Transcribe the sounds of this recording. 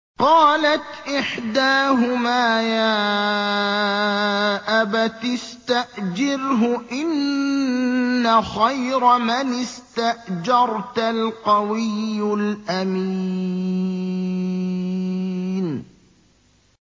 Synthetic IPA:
qɑːlat̪ʔɪħd̪aːɦʊmaːjaː | ʔabat̪ɪst̪aʔd͡ʒɪɾɦʊʔɪn | axajɾamanɪst̪aʔd͡ʒɑɾˤt̪alqɑwɪjːʊlʔami | n

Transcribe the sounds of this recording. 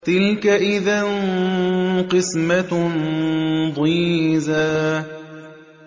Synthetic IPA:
t̪ɪlkaʔɪðan | qɨsma | d̪ˤiːza

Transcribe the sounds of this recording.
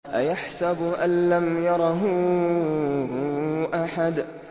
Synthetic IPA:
ʔajaħsabʔanlamjɑɾˤɑɦʊ | ʔaħad̪

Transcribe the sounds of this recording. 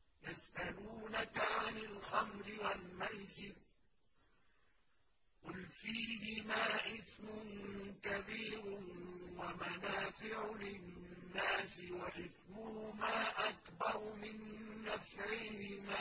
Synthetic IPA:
jasʔaluːnakaʕanalxamɾɪwalmajsɪb̚ | qʊlfiːhɪmaːʔɪθmʊnkabiːɾwamanaːfɪʕʊlɪnnːaːsɪwaʔɪθmʊhʊmaːʔakbɑɾˤʊmɪnːafʕɪhɪma

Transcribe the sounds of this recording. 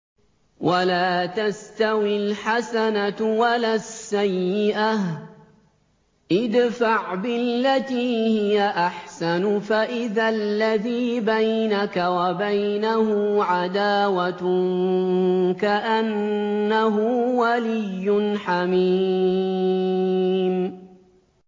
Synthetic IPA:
wʔalaːt̪ast̪awɪlħasanawalaːsːajːɪʔa | ʔɪd̪faʕbɪllːat̪iːhɪjaʔaħsanfaʔɪðalːaðiːbajnakawabajnahʊʕad̪aːwat̪ | kaʔanːaɦʊwalɪjːʊnħamiː | m

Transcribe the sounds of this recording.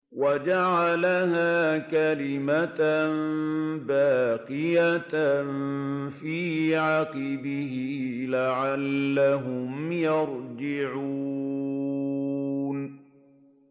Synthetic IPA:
wad͡ʒaʕalahaːkalɪmatnbaːqɪjat̪nfiːʕaqɪbɪɦɪlaʕalːaɦʊmjɑɾd͡ʒɪʕuuː | n

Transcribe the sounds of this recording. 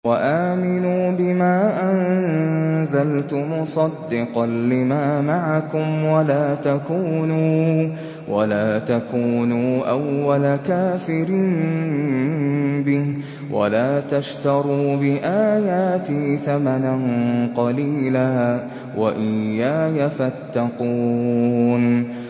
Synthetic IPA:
waʔaːmɪnuːbɪmaːʔan | zalt̪ʊmʊsˤɑd̪ːɪqɑnːɪmaːmaʕakʊmwalaːt̪akuːnuː | walaːt̪akuːnuːʔawːalakaːfɪɾiːn | bɪh | wʔa̰laːt̪aʃt̪ɑɾˤuːbɪʔaːjaːt̪iθamananqɑliːlaː | waʔɪjːaːjafat̪ːɑquː | n

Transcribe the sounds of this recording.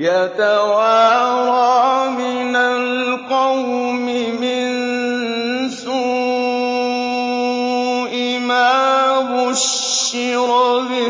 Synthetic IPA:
jat̪awaːɾˤɑmɪnalqɑwmɪmɪn | su | ʔɪ | maːwʊʃː | ɪɾlɪ

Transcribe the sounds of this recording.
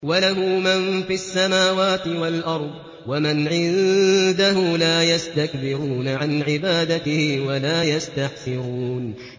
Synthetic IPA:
walaɦʊːmanfiʔasːamaːwaːt̪ɪwalʔɑɾˤd̪ˤ | wamanʕɪnd̪ahʊmlaːjast̪akbɪɾuːnaʕanʕɪbaːd̪at̪ɪhɪwalaːjast̪aħsɪɾuːn

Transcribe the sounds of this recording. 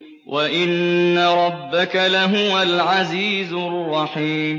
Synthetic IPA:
wʔaʔɪnːaɾˤɑbːakalaɦʊwalʕaziːzʊrˤːɑħiːm

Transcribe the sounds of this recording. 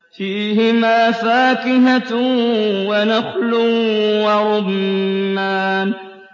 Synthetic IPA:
fiːhɪmaːfaːkɪɦa | wanaxlʊwaɾˤʊb | aːn

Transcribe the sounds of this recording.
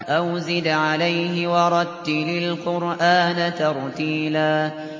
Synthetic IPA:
ʔawzɪd̪ʕalajhɪwɑɾˤɑd̪ːilɪlqʊɾʔaːnat̪ɑɾˤt̪iːlaː

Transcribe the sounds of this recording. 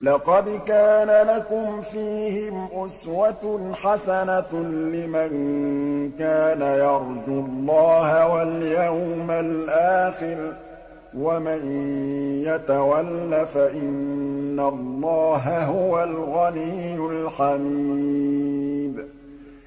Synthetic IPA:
lɑqɑd̪kaːnalakʊmfiːhɪmʔʊswat̪ħasanalɪmaŋ | kaːnajɑɾˤzʊlˤːɑːhawaljawmalʔaːxɪɾ | waman | jat̪awalːafaʔɪnːalˤːɑːɦaɦʊwalɣanijjːʊlħamiː | b

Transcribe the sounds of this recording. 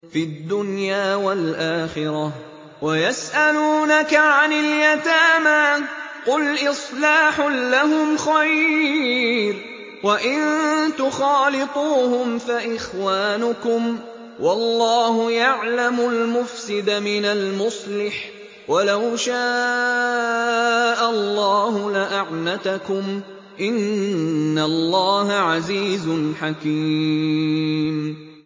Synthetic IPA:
fiad̪ːʊnjaːwalʔaːxɪɾɑ | wajasʔaluːnakaʕanɪljat̪aːmaqʊlʔɪsˤlaːħʊːaɦʊmxaj | ɾ | waʔɪnt̪ʊxɑːlɪt̪ˤuːhʊmfaʔɪxwaːnʊkʊm | wɑlːɑːhʊjaʕlamʊlmʊfsɪd̪amɪnalmʊsˤlɪħ | walawʃa | ʔalːɑːhʊlɪʔaʕnat̪akʊm | ʔɪnː | alˤːɑːhaʕaziːzʊnħakiː | m

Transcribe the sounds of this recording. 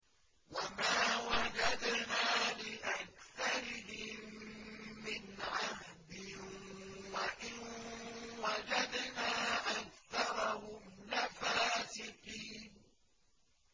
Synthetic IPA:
wamaːwad͡ʒad̪naːlɪʔakθɑɾɪɦɪmː | ɪnʕahd̪ɪ | waʔɪn | wad͡ʒad̪naːʔakθɑɾˤɑhʊmlafaːsɪqiːn

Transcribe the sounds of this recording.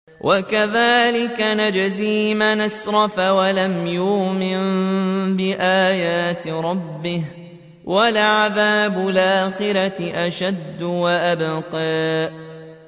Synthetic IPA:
wʔakaðaːlɪkanad͡ʒaziːmanasɾˤɑfawalamjuːmɪnbɪʔaːjaːt̪ɪɾˤɑbːɪh | walʕaðaːbʊlʔaaːxɪɾaɪʔaʃad̪ːʊwaʔabqɑːʔ

